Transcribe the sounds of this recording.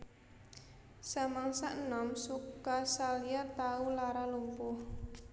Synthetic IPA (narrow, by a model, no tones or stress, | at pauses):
samaŋsaʔnɔmsukasaliat̪aulaɾalumpʊh